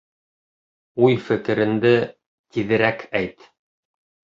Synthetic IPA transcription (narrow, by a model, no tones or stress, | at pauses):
ujfɘ̆kɘ̆ɾɘ̆nd̪ɘ | t̪iðɘ̆ɾækʰæjt̪